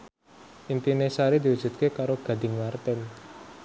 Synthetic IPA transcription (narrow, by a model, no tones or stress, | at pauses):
ʔint̪inesaɾid̪iwud͡ʒ̥ṳt̪̚kekaɾoɡ̥a̤d̪̥ɪ̤ŋmart̪ɛn